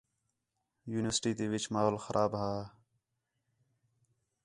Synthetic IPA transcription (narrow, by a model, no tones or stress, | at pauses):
juːnɪʋəɾsʈiːt̪eːʋɪt͡ʃmaːɦoːlxəɾʔaːbɦaː